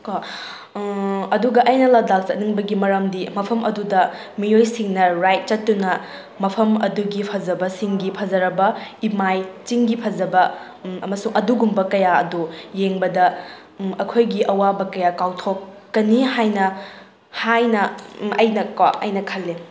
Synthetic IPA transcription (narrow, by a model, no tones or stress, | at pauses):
ka | ɐduɡɐʔɐjnɐlatlak̚t͡ʃɐt̚niŋbɐɡimɐɾɐmdimɐpʰɐmʔɐdudɐ | mijojsiŋnɐɾajt̚t͡ʃɐtːunɐ | mɐpʰɐmɐ̰duɡipʰɐzɐbɐsiŋɡipʰɐzɐɾɐbɐimajt͡ʃiŋɡipʰɐzɐbɐ | ɐmɐsuŋɐduɡumbɐkɐjaɐ̰dujeŋbɐdɐ | ɐkʰojɡiʔɐwabɐkɐjakawtʰokː | ɐnihajnɐ | hajnɐɐjnɐkwaʔɐ̰jnɐkʰɐlːe